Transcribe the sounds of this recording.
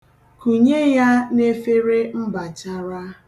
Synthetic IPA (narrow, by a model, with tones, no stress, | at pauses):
ku˨ɲe˦ja˦ne˦fe˦ɾe˦m̩˦ba˨t͡ʃa˦ɾa˦